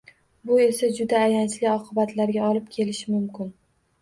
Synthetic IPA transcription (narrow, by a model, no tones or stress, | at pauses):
bʊe̞sad͡ʒʊd̪aːjant͡ʃʰlɪɒqʰɨbat̪ʰlaɾɡʲaɒlɪp̚kʲʰe̞lɪʃɪmʊmkʲɪn